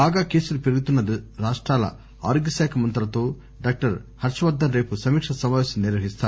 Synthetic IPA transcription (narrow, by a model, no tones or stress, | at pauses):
baːɡaːke̞ːsulupeɾɐɡut̪unːɐd̪iɾaːʂʈɾaːlɐ̰ | aːɾoɡɐsɛːkʰɐmɐnt̪ɐɾɐt̪o̞ː | ɖaːk̚ʈɐɾhɐɾt͡ʃɐʋɐd̪ːɐnɾeːpusɐmiːkʂɐsɐmaːʋeːsɐmniɾʋɐɦist̪aːɾu